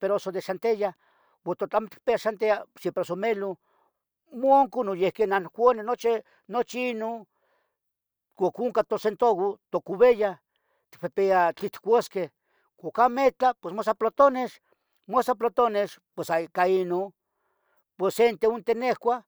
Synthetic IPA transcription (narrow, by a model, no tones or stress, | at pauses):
peɾoosod̪eʃant̪eja | wot̪ot̪amot̪i̥k̚peaʃant̪easempɾeosomelo | mooŋkunojehkenankʷonenot͡ʃi | not͡ʃiino | kʷakuŋkat̪osent̪oɣot̪okuβeja | t̪i̥k̚pepeat͡ɬit̪kʷoske | kʷakamet͡ɬapwesmosaplot̪oneʃ | mosap̬lot̪oneʃpwesakaino | pwosent̪eunt̪enehkʷa